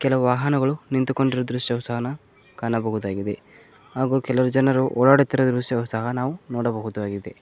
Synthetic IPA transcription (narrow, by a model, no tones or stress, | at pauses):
kɛlɐʋuʋaːɦɐnɐɡɐɭunint̪uko̞ɳɖiɾɐd̪ɾuʂʈiɐʋɐsɐɦɐnɐ | kaːnɐbɐɦud̪aːɡid̪e̞ | ɦaːɡuːkɛlɐɐɾud͡ʒɐnɐɾuʔɔːɭaːɽut̪ːiɾɐd̪ɾuʃiɐʋɐsɐɦɐnaːʋunɔːɽɐbɐɦud̪uʋaːɡid̪e